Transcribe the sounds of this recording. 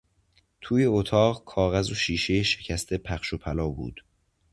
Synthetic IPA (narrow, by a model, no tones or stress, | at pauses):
t̪ʰuːje̞ot̪ʰɒːɣkʰɒːɣæzoʃiːʃe̞jeʃe̥cʰæst̪ʰe̞pʰæχʃopʰælɒːbṵːd̪̥